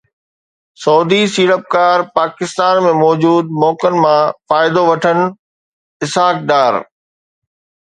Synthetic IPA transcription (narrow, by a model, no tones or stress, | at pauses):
sɔːd̪isiːɾəp̚kaːɾpaːkɪst̪aːnmẽmɔːd͡ʑuːd̪̚mɔːkənɪ̆mãfaːɪd̪oʋɐʈʰənɪ̆ | ɪsaːk̚ɖaːɾ